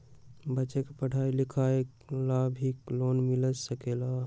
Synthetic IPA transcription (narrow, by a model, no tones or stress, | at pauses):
bətːt͡ʃekepəɽ̤ʱailikʰaek | labʱiklonmiləd͡ʒsəkela